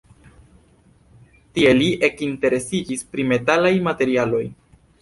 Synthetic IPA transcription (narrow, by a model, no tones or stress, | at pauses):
tie̞liʔe̞kinte̞ɾe̞sid͡ʒispɾime̞talajmate̞ɾialo̞j